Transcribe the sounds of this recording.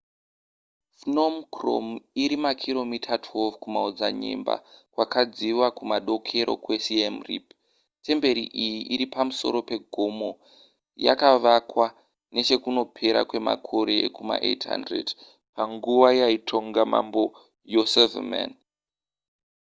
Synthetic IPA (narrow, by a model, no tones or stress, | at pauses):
fnomkro̰miɾimakʰiro̞mitʰatʰwelvkumaod͡zaɲḛmba̰kwakʰad͡ziwakumaɗo̞kʰe̞ɾo̞̰kwe̞siemrḭp | te̞mbe̞ɾḭʔijiʔiɾipamuso̞̰ɾo̞pe̞ɡʱo̞mo̞ | ja̰kaʋakwa | ne̞t͡ʃe̞kuno̞pʰe̞ɾa̰kwe̞ma̰kʰo̞ɾe̞kuma̰ʔḛtɦa̰ndrḛd | paŋɡuʋajaitʰo̞ŋɡama̰mbo̞ | josevḛma̰n